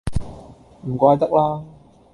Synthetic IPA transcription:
m̩˨˩kʷaː˧jt̪ɐ˥k̚laː˥

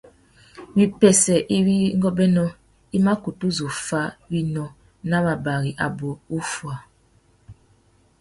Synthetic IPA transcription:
wi˨pɛ˨sɛ˨ʔi˦wi˦ŋɡɔ˦bɛ˦nɔ˦ | i˦ma˦ku˨tu˦zu˨fa˦wi˦nɔ˦ | na˦ba˨ba˨ɣi˨ʔa˨bo˨u˦fwa˨

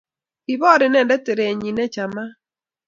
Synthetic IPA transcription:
ɪ˨bɔ˦ɾɪ˨nɛ˦˨ndɛ˦te˨ɾe˨ɲi˨nɛ˦t͡ʃa˨ma˦

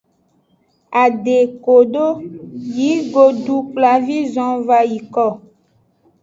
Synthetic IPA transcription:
a˨ɖe˨ko˨ɖo˦ji˨˦ɡo˦ɖu˦k͡pla˦vi˦zɔ̃˦va˦ji˨kɔ˦˨

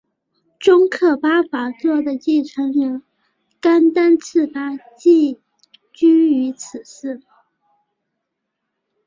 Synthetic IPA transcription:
ʈ͡ʂʊ˥ŋkʰɤ˥˩pa˥fa˧˥t͡swɔ˥˩d̪ə˩t͡ɕi˥˩ʈ͡ʂʰə˧˥ŋɻə˧˥n | ka˥nt̪a˥nt͡s̩ʰ˥˩pa˥t͡ɕi˥˩ | t͡ɕy˥y˧˥t͡s̩ʰ˨˩ʂɹ̩˥˩

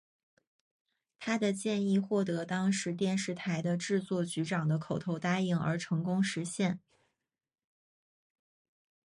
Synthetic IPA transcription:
t̪ʰa˥d̪ə˨t͡ɕjɛ˥˧ni˥˧xwɔ˥˩t̪ɤ˧˥t̪ɑ˥ŋʂɻ̩˧˥t̪jɛ˥˧nʂɻ̩˥˩t̪ʰa˧˥ɪd̪ə˧ʈ͡ʂɻ̩˥˧t͡swɔ˥˩t͡ɕy˧˥ʈ͡ʂɑ˨˩ŋd̪ə˦kʰo˨˩ʊt̪ʰo˧˥ʊt̪a˥i˧˥˩ŋə̰˞˧˥ʈ͡ʂʰɤ˧˥ŋkʊ˥ŋʂɻ̩˧˥ɕjɛ˥˩n

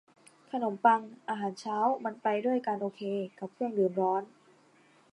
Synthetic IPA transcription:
kʰa˧no˩˦mpa˧ŋʔaː˧ɦaː˩˦nt͡ɕʰaː˦˥wma˧npa˧jdu˥˩əjkaː˧nʔoː˧kʰeː˧ka˨˩p̚kʰɯ˥˩əŋdɯː˧nɾɔː˦˥n

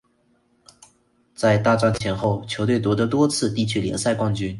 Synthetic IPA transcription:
t͡sa˥˧ɪt̪a˥˧ʈ͡ʂa˥nt͡ɕʰjɛ˧˥nxo˥˩ʊt͡ɕʰjo˧˥t̪we˥˩ɪt̪wɔ˧˥d̪ə˧t̪wɔ˥t͡sʰɹ̩˥˧t̪i˥˩t͡ɕʰy˥ljɛ̰˧˥ŋsa˥˧ɪkwɑ˥˧ŋt͡ɕy˥n

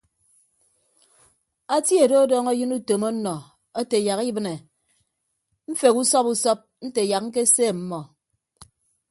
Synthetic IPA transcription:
a˦tje˨do˦dɔː˦ŋɔ˦jɨ˦nu˦to˨mɔ˦nɔ˨ | ɔ˦te˨ja˨ki˦bɨ˦ne˨ | m̩˦fe˨ku˦sɔ˦pu˦sɔ˦p̚n̩˦te˨ja˨k̚ŋ̩˦k̬e˦seː˦˨m̩˦mɔ˨

